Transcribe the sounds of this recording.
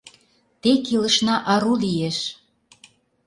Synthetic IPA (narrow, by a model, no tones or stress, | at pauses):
t̪ekilə̆ʃnɑʔɑɾulieʃ